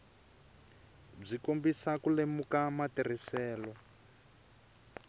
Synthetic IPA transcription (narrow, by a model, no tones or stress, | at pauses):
b͡ʐikombisakulemukamatir̤isɛːlɔ